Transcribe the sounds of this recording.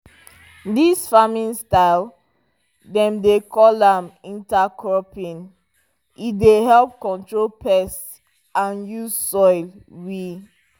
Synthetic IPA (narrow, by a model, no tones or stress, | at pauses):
disfamĩnstaɪl | dɛ̃mdekʰɔlãmĩntakʰɹɔpĩn | ideɦɛlp̚kɔ̃ntɹolpʰɛs | ãnjuzsɔɪlwi